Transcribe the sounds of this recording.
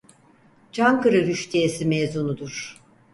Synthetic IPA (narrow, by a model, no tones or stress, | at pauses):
t͡ʃʰaŋkɯɾɯɾyʃt̪ʰiesimezunud̪uɾ̥